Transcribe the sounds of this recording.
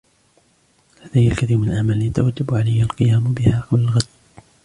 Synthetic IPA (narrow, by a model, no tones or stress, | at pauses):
had̪ajːalkaθiːɾmɪnalʔaʕmalːɪjat̪a̰wad͡ʒːabʕalajːalqɨjaːmbɪhaːqɑblalɣad̪